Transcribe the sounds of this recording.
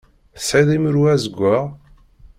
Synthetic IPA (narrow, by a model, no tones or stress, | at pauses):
siðimɾuæzəɡʷːəʁ